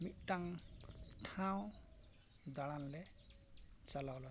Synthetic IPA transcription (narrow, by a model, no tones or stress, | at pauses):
mit̚ʈaŋ | ʈʰãw̃ | d̪aɽanlɛ | t͡ʃalawla